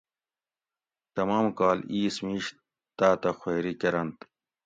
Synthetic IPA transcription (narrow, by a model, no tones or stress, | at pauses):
t̪ɐmaːmkaːliːsmiːɕ | t̪aːt̪ɐxweːɾikɐɾɐnt̪